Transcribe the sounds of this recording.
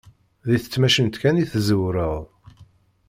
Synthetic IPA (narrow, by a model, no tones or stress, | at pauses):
ðiθə̥t͡sːmæʃənt̪kæniθzəwɾəðˤ